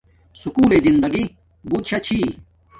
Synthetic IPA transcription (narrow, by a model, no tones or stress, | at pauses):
sukuːlezind̪ɐɡi | but̪ɕɐt͡ɕʰi